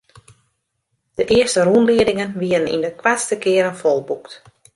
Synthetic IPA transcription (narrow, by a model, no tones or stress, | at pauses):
d̥əʔɪəstərunliədɪŋənʋiəənḭndəkwastəkɪəɾənfɔlˠbukt